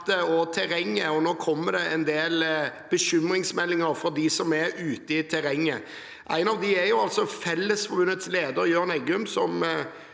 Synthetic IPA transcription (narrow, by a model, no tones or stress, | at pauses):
t̪əɔt̪ʰɛɾɛŋːəɔnoːkʰɔmːəd̪ɛɛnd̪eːlb̥əɕʏmɾɪŋsmɛlːɪŋəɾfɔd̪ɪsɔmɛɾʉːt̪əɪt̪ʰɛɾɛŋːə | ʔæ̰ɪnɑʋd̪ɪɛɾjʊɑlsɔfɛlːəsfɔɾbʉnət̪sleːd̪əɾjøːnɛɡʉmsɔm